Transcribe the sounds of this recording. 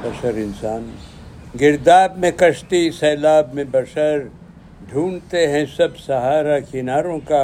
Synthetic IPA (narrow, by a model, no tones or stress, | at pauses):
bɐʃəɾɪnsaːn | ɡɪɾd̪aːbmẽkɐʃt̪isɛːlaːbmẽbɐʃɐɾ | ɖʱuːnt̪eɦɛ̃sɐbsɐɦaːɾakɪnaːɾõka